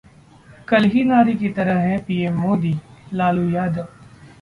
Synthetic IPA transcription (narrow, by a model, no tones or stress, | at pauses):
kɐlɦinaːɾikit̪ɐɾəɦɦɛ̃piːemːoːd̪iːlaːlujaːd̪əʋ